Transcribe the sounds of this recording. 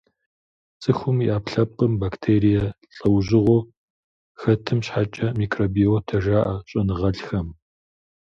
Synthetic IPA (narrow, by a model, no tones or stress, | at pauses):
t͡sʼɨxʷʊmiʔaːpɬɐp̚qʼəmbaːktʰeːɾijɐɬʼɐwʑɪʁʷo | xɐtʰɨmɕħat͡ʃʼɐmiːkʰroːbiotʰɐʒaːʔɐɕʼɐnɨʁɐɬxɐm